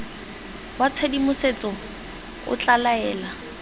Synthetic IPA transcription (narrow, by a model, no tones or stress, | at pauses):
wat͡sʰedimʊset͡sɔ | ʊ̰t͡ɬʼalaɛːla